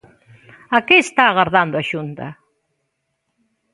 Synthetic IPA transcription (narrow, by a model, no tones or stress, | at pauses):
akeːst̪aːɣaɾðand̪ʊaʃunt̪ɐ̰